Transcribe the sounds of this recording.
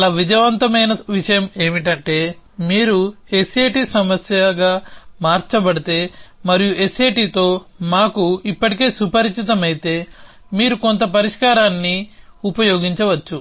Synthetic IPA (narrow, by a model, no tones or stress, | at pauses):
ɐlaːʋid͡ʒɐʋɐnt̪ɐmɐjnɐʋiʂɐjɐme̞ːmiʈɐɳʈe̞ːmiːɾu | eseːʈiːsɐmɐsjɐɡaːmaːɾt͡ʃɐbɐɽit̪e̞ːmɐɾijue̞seːʈiːt̪o̞ːmaːkuipːɐʈike̞ːsupɐɾt͡ʃit̪̬ɐmɐjit̪e̞ː | miːɾuko̞nt̪ɐp̬ɐɾiʂkaːɾaːnːiupɐjo̞ːɡiɲt͡ʃɐʋɐt͡ʃːu